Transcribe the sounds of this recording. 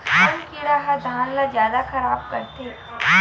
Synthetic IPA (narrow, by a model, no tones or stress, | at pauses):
tɐmkiɾaɦad̪ʱaːnlazjaːd̪axɐɾaːb̚kɐɾt̪e